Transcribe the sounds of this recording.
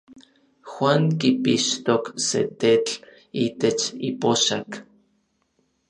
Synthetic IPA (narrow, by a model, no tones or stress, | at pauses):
xwaːŋkipiʃt̪oksḛt̪et͡ɬ | iːt̪et͡ʃipoʃak